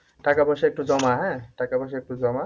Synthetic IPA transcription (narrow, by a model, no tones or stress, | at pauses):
takabɔsuɛk̚tuzɔmaɦɛtakabɔs̬uɛk̚tuzɔma